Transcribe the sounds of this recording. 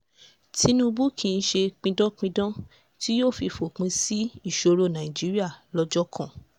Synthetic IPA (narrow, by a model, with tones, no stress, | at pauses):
ti˧˦nũ˦bu˦kʰĩ˧n̩˦ʃe˧k͡pĩ˧dɔ̃˦k͡pĩ˧dɔ̃˦ | ti˦joː˦˨fi˧fo˨k͡pĩ˧si˦i˦˨ʃo˧ɾo˦˨nã˨ĩ˨d͡ʒi˨˦ɾi˦a˦˨lɔ˧˦d͡ʒɔ˦kʰã˦˨